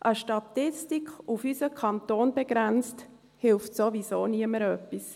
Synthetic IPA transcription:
ʔəʃtɑtɪstikʰufysəkʰɑntoːnb̥ɛɡ̥ɾænt͡st | hɪlftsovisoːniəməɾœpːis

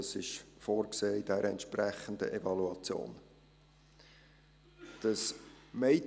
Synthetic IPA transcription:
əsɪʃfoːrkseːɪdæɾʔəɛ̰ntʃpræχəndə̰ʔevɑluɑt͡sjo̰ːn | d̥əsmeɪ

